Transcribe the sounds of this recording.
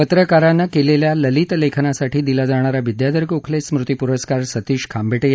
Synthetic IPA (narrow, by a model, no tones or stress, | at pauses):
pət̪ɾəkaɾanːakeleljaləlit̪lekʰnasaʈʰiːd̪ilad͡zaɽ̃aɾaʋid̪jad̪əɾkukʰlesmɾut̪ipuɾəskaɾsət̪iːɕkʰambʱeʈej